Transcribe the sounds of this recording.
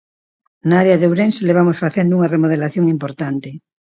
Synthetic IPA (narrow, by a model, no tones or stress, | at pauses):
naaɾeɐðewɾenseleβ̞amosfaθend̪ʊuŋɐremoð̞elaθjoŋimpoɾt̪ant̪ɪ